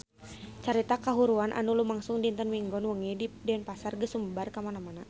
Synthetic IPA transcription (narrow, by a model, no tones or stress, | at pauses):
t͡ʃaɾit̪akaɦuɾuanʔa̰nulumaŋsuŋdint̪ənwiŋɡɔnwəŋididɛɛnpasarɡəsumbarkamanamana